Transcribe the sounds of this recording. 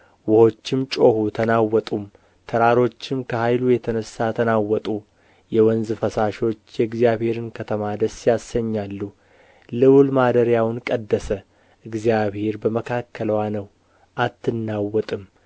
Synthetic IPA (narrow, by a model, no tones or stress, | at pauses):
wʊho̞t͡ʃːɪmt͡ʃʼo̞hut̪ʰənawːɔt̪ʼum | t̪ʰəɾaɾo̞t͡ʃːɪmkʰəhajlujɛt̪ʰənəsːat̪ʰənawːɔt̪ʼu | jɛwɔnzɨfəsaʃo̞t͡ʃːjɛɨɡzijaβhe̞ɾɨnkʰət̪ʰəmad̪əsːjasːəɲːalːu | lɨwlmad̪əɾjawnkʼəd̪ːəsə | ʔɨɡzijaβhe̞ɾbəməkʰakːələwanəw | ʔat̪ʰːɨnːawːɔt̪ʼɨm